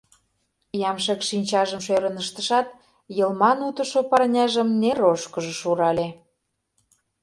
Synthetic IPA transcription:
jɑmʃekʃinʲt͡ɕɑʒəmʃøɾənəʃt̪əʃɑt̪̚ | jɤlmɑnut̪ə̆ʃopɑrnʲɑʒəmneɾoʃkəʒə̆ʃuɾɑlʲe

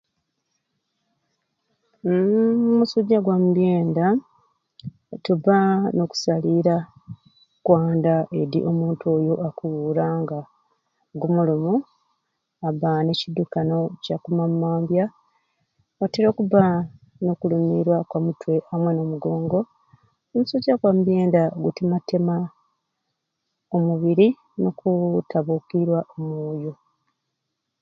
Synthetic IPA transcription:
umusuɟːaɡwamuβjeːnda | tuβano̞ku̥saliɾa | kwaːndaʔe̞ɾḭʔo̞muːntuojo̞ʔakuwuːɾaŋɡa | ɡumulumu | aβane̞cidukano̞cakumamːaːmbja | oteɾo̞ːkuβa | no̞kulumiɾwakwamutwe̞ʔamweno̞ːmuɡo̞ːŋɡo̞ | emusoɟakwamubje̞ːndaoɡutimatema | omuβiɾi | nokutʰaβukiɾwaʔomwoːjo̞

